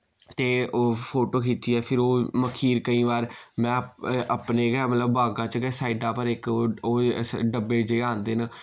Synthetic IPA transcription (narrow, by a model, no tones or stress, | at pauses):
t̪eːoːpʰoːʈoːkʰiːt͡ʃiːɛːpʰɪɾoːməkʰiːɾkəĩːʋaːɾmɛ̃ːʔəpneːɡɛːmət̪ləbːaːɡãːt͡ʃkɛsaːiɖaːpəɾɪkːoːɖəbeːd͡ʒeːãːnd̪eːnə